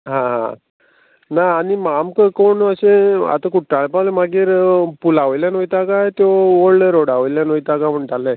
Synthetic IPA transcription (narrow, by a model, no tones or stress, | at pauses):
ɦãɦã̰ | naːnimamkəkoɳəɕẽa̰t̪akuʈːaɭepalemaɡiːɾpulaʋəjljanojt̪akajt̪jooɭɾoɽaʋəjljanojt̪akaməɳt̪alə